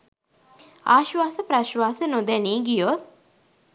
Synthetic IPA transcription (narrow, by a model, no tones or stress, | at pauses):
aːʃʋaːsəpɾaʃʋaːsənod̪æniːɡijot̪̚